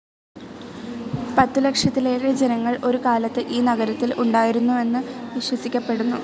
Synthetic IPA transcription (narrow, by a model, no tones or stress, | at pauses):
pɐt̪ːɨlɐkʂjɐt̪ːile̞ːɾed͡ʑenɐŋːɐɭʔo̞ɾukaːlɐt̪ːɨʔiːnɐɣɐɾɐt̪ːilʔuɳɖaːjiɾunːue̞nːɨʋiɕwɐsikʲːɐpːe̞ɽunːu